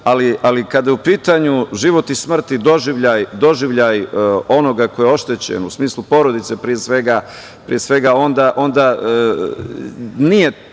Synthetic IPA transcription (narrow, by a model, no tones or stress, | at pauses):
aliʔalikad̪ajeupiːt̪aɲuʒiʋo̞t̪ismr̩t̪id̪o̞ʒiʋʎajd̪o̞ʒiʋʎajo̞no̞ɡako̞jeo̞ʃt̪et͡ɕḛnusmiːslˠupo̞ɾo̞d̪it̪se̞pɾije̞sʋe̞ɡa | pɾḭjesʋe̞ɡao̞nd̪aʔo̞nd̪a | nije̞